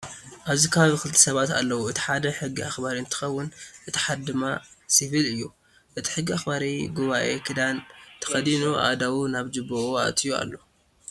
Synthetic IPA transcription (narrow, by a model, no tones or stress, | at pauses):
ʔaβzikʰaaβikɨlt̪ʰɐ̥sɐβat̪a̰lːɐwuɨt̪ʰi̥ħad̪ɐħɨɡːiaxbaɾiɨnt̪ʰɨ̥xɐwːʊnʔɨt̪ʰi̥ħad̪d̪ɨmasifilɨjːu | ʔɨt̪ʰi̥ħɨɡːiaxbaɾiɡuβaʔe̞̰kʰɨd̪ant̪ʰɐ̥xɐd̪inuʔa̰d̪awunaβd͡ʒɨbuʔua̰t̪ʰijua̰lːo̞